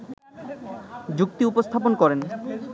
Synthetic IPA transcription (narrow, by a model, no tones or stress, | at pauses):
d͡ʑukt̪iupost̪ʰaponkɔɾen